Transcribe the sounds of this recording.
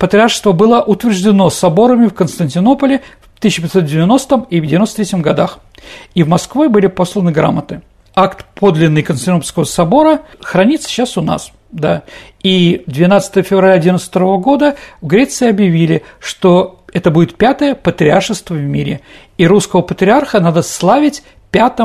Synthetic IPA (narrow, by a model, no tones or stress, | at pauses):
pət̪ɾʲɪarʂst̪vəbɨlˠəʔʊt̪vʲɪrʐdʲɪno̞sɐbo̞ɾəmʲɪfkənst̪ənʲtʲɪno̞pəlʲɪft̪ɨɕːɪpʲɪt̪so̞t̪̚dʲɪvʲɪno̞st̪əmidʲɪvʲɪnost̪əɾʲetʲɪmɡɐd̪ax | ivmɐskvɨbɨlʲɪpo̞slˠənɨɡɾa̰mət̪ɨ | akt̪pʰo̞d̪lʲɪnːɨjkənsʲɪnpəlʲskəvəsɐbo̞ɾəxɾɐnʲit̪sːə̥ɕasʊna̰s | d̪a | id̪vʲɪnat̪sə̥t̪əjəfʲɪvɾɐlʲaɐdʲinət̪st̪ɐɾovəɡo̞d̪əvɡɾʲet̪sɨɪɐbjɪvʲilʲɪʂt̪o̞ɛt̪əbudʲɪt̪̚pʲat̪əjəpət̪ɾʲɪarʂɨst̪vəvmʲiɾʲɪ | iɾuskəvəpət̪ɾʲɪarxənad̪əslˠavʲɪtʲ | pʲat̪ə